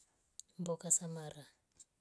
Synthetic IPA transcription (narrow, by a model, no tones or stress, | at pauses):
mbɔkasamaːra